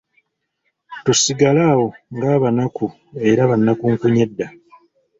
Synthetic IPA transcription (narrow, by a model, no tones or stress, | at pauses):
tusiɡalaːwo̞ŋɡaːβanaku | e̞ɾaβanːakuːŋkuɲe̞dːa